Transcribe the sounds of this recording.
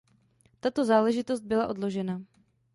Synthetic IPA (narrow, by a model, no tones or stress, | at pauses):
t̪at̪o̞zaːlɛʒɪt̪ost̪̚bɪlaʔo̞dlo̞ʒɛna